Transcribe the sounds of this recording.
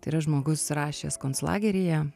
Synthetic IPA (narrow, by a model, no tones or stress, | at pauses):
t̪ɐɪiɾɐʒmoːɡʊsɾɑːʃʲeːskoːnslˠɑ̰ːɡʲɛɾʲɪjɛ